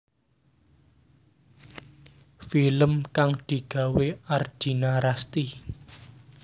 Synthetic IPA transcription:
filəmkaŋd̪̥i̤ɡ̥a̤weard̪̥i̤naɾast̪i

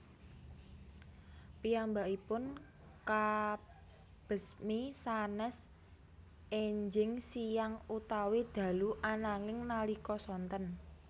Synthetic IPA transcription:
piambaʔipʊn | ka | b̥ə̤smisanɛs | eɲd͡ʒɪŋsijaŋut̪awid̪̥a̤luʔanaŋɪŋnalikɔsɔnt̪ən

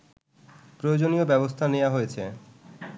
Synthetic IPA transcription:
pɾojod͡ʑoniobɛbost̪ʰaneoaɦojet͡ɕʰe

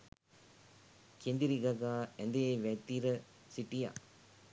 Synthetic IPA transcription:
kend̪iɾiɡɐɡaːend̪eʋet̪iɾɐ | siʈːija̰ː

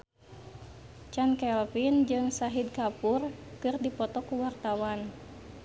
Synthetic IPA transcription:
t͡ʃankɛlfind͡ʒɨŋsaɦid̚kapurkɨrdipɔt̪ɔkuwart̪awan

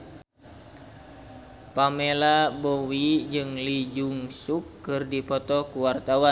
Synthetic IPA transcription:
pamelabowid͡ʒɨŋlid͡ʒuŋsukːɨrdipɔt̪ɔkuwart̪awan

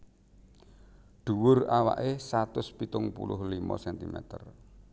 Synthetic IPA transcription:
ɖ̪̥ṳwʊrawa̰ʔesat̪ʊspit̪ʊŋpṵlʊhlimɔ̰sɛnt̪imɛ̰t̪ər

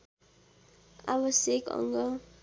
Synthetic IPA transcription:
abʌsekʌ̰ŋɡʌ

